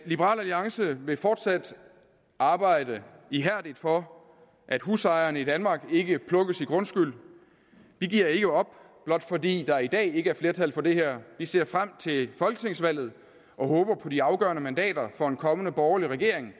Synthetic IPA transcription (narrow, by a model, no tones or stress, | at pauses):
lib̥əʁɑ̰̈ːlæliɑ̈ŋsəʋe̝fɒːd̥sæd̥ | ɑ̈ːb̥ɑ̈ɪ̰d̥əiɦæɐ̰d̥id̥fɒ̽ | ʔæd̥husɑ̈ɪɐːnəid̥ænmɑ̈ːɡ̥e̝ɡ̥əpʰlɔ̽ɡ̥əsiɡ̥ʁɔ̽nsɡ̥yl̰ | ʋ̥iɡ̥iɐe̝ɡ̥əɒ̽b̥ | b̥lɒ̽d̥fɒ̽dḭːd̥ɑ̈id̥ɛ̰ːe̝ɡ̥əæɐfle̝ɐt͡sʰælfɒ̽d̥e̝ɦeɐ̰ʋise̝ɐ̰fʁam̰t͡sʰe̝fɒ̽lɡ̥ət͡sʰe̝ŋsʋæl̰ð̩ˠ | ɒ̽hɔ̽ːb̥ɐpʰɒ̽diɑ̈ʊɡ̥ɶɐnəmændɛ̰ːd̥ɐfɒ̽e̝nkʰɒ̽mənəb̥ɒʊɐliʁaɡ̥e̝ɐeŋ